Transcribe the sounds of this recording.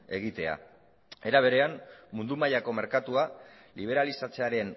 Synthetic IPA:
e̞ɣ̞it̪e̞a̰ | e̞ɾaβ̞e̞ɾe̞ammund̪umaʎako̞me̞ɾkat̪ua | liβ̞e̞ɾalisat͡se̞aɾe̞n

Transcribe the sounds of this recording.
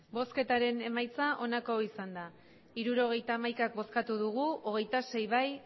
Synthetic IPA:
bo̞ske̞t̪aɾe̞ne̞majt͡saʔo̞nako̞isand̪a | iɾuɾo̞ɣ̞e̞jt̪aːmajkak̚bo̞skat̪uðuɣ̞uo̞ɣ̞e̞jt̪ase̞jβaj

